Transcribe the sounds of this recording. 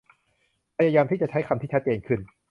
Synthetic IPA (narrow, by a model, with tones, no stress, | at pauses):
pʰa˧jaː˧jaː˧mt̪ʰiː˥˩t͡ɕa˨˩t͡ɕʰa˦˥jkʰa˧mt̪ʰiː˥˩a˦˥t̪̚t͡ɕeː˧nkʰɯ˥˩n